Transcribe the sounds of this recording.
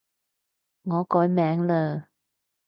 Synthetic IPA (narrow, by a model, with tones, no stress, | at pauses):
ŋɔː˨˧˦kɔː˨˥jmɛː˨˥ŋləː˧